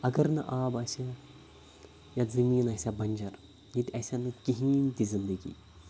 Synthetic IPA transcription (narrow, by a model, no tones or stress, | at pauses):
ɐɡɐɾnɨʔaːbaːsʲɐ | jazɐmiːnɐsʲabɐnʲd͡ʒɐɾ | nit̪ʲɐsʲanɨkiɦiːnt̪izind̪əɡḭː